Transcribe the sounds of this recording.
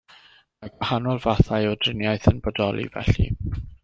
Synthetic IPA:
maɡwahanɔlˠvaθaɨɔdrɪnjajθənbɔdɔlˠḭvɛ̰ɬḭ

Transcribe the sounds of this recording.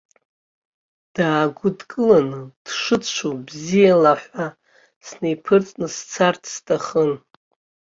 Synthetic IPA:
d̥aːɡʷʊdkʼɨlanɨd̥ʂɨt͡ʃʷʰubzijalaħʷa | snejpʰɨrt͡sʼnɨst͡sʰartʰstʰaχən

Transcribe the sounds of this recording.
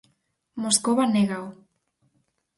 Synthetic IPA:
moskoβaneɣaw

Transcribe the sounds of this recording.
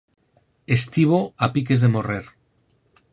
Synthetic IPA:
est̪iβ̞oapik̬e̞zðe̞mo̞reɾ

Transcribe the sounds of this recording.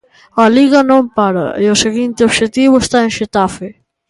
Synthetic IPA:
ɐliɣɐnõmpaɾɐ̰ʔeoseɣint̪eoβʃet̪iβʊest̪aeŋʃet̪afe

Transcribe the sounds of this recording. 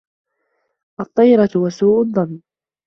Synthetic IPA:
ʔɑt̪ˤːɑjɾˤɑt̪wasuːʔʊðˤːɑnː

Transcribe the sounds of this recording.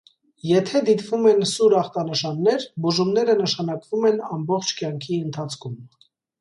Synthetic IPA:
jɛt̪ʰɛd̪it̪vumɛnsuɾɑχt̪ɑnəʃɑnːɛɾbuʒumnɛɾənəʃɑnɑkvumɛnɑmbɔχt͡ʃʰkjɑŋkʰiənt̪ʰɑt͡sʰkʰum

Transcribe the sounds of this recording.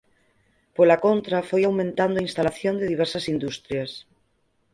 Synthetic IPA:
polakõnt̪ɾafojawmẽnt̪and̪oainst̪alaθjond̪eðiβ̞eɾsasind̪ust̪ɾjas

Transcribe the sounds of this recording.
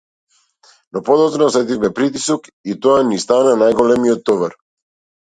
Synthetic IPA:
nopod̪ɔt̪nɔsɛt̪̬ifmɛpɾit̪isokit̪oanist̪ananajɡolɛmiot̪ːɔvaɾ

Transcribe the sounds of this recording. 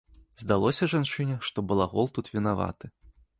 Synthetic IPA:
zd̪alˠɔsʲɐʐant͡ʂɨnʲɛʂt̪ɔbɨlˠaɣɔlˠt̪ut̪vʲinava̰t̪ɨ

